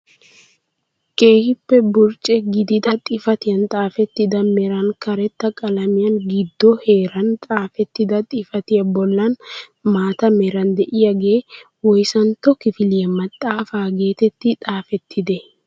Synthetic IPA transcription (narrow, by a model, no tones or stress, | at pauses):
ke̞ːhɪpːɛbʊɾt͡ʃʼɛɡɪd̪ɪd̪ɐt̪ʼɪfɐt̪ɪjɐnt̪ʼaːfɛt̪ːɪd̪ɐmɛɾɐnkɐɾɛt̪ːɐkʼɐlɐmɪjɐnɡɪd̪ːɔheːɾɐnt̪ʼaːfɛt̪ːɪd̪ɐt̪ʼɪfɐt̪ɪɐbɔlːɐn | maːt̪ɐmɛɾɐnd̪ɛʔɪjɐɡeː | wɔjsɐnt̪ɔkːɪfɪlɪjɐmɐt̪ʼːaːfaːɡeːt̪ɛt̪ːɪt̪ʼaːfɛt̪ːɪd̪ɛ